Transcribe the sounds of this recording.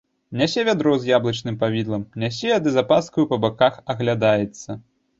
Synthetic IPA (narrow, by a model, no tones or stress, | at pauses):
nʲasʲɛvʲad̪ɾɔwzʲjablˠɐt͡ʂnɨmpavʲid̪lˠɐmnʲasʲɛad̪ɨzapaskujupɐbakaxɐɣlʲad̪ajɛt̪sːɐ